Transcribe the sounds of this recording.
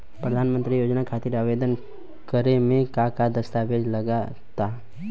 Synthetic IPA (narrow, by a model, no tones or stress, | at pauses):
pɾəd̪ʱaːnmə̃nt̪ɾijoːd͡ʒnakʰat̪ɪɾaʋed̪ən | kəɾemẽkakad̪əst̪abed͡ʒləɡa | t̪a